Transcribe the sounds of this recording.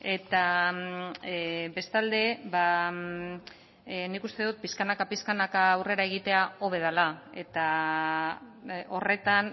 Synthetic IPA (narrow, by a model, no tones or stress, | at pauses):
e̞t̪a | be̞st̪ald̪e̞βa | nikust̪e̞ðut̪̚piskanakapiskanakaːwre̞ɾae̞ɣ̞it̪e̞ao̞βe̞ð̞alae̞t̪a | o̞re̞t̪an